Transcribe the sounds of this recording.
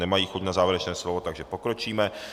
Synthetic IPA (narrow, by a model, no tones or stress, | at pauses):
nɛmajiːxucnazaːvɪɾɛt͡ʃnɛːslovot̪aɡʒɛpo̞kɾo̞t͡ʃiːmɛ